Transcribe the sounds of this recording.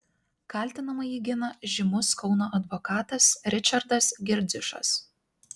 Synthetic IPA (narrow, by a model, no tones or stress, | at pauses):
kɑˑlʲˑt̪ʲɪnɐmɐjiːɡʲɪnɐʒʲɪmʊskɒʊnoːʔɐd̪ʋɔkɑːt̪ɐsɾʲɪt͡ʃʲɐɾd̪ɐsɡʲɪɾʲd̪zʲɪʃɐ̰s